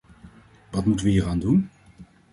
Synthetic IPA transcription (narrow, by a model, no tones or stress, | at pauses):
ʋɑtmutənʋəɦiːraːndun